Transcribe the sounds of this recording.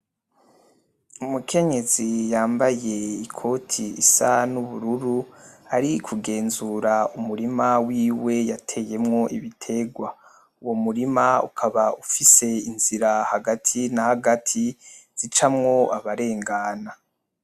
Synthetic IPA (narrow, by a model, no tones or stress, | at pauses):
umukʰe̞ɲe̞zijaːmbaje̞ikʰo̞ːtʰiisanuβuɾuɾuaɾikʰuɡe̞ːnzuɾaumuɾimawiːwe̞jatʰe̞ːje̞mŋo̞ʔiβitʰe̞ɡwa | uwo̞muɾimaṵkʰaβaufise̞inziɾahaɡatʰinahaɡatʰiz̥it͡ʃamŋo̞aβaɾe̞ːŋɡaːna